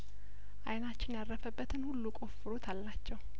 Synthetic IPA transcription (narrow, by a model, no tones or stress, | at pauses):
ʔajnat͡ʃːɪnjaɾːəfəbːət̪ʰɨnhulːukʼo̞fːɨɾut̪ʰalːat͡ʃːɛw